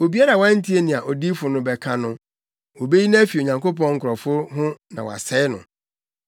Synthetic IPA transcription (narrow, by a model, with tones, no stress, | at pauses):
o˨bi˦a˦ɾa˨wã˦n̩˦tʰi˦e˦nĩ˨a˨ʔɔ˨di˦fʊ˨nʊ̃˦bɛ˨kʰa˦nʊ̃˦ | wo˨be˦ji˦nã˦fi˨o˨ɲã˨ŋko˦p̬ɔ̃˦ŋŋ̩˦kʰʊ˨ɾɔ˨fʊ˦ɦʊ̃˦nã˨wa̰˨sɛ˦ɪ˦nʊ̰̃˨